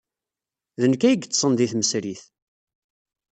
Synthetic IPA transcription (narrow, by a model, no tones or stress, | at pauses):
ðənəkːæjəɡt͡s̪ːsˤənd̪iθməsɾiθ